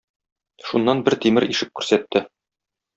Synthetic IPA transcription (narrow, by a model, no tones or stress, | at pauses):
ʃunːɑnbɘɾt̪imɘɾiʃɘp̚kʉ̥ɾsæt̪ːɘ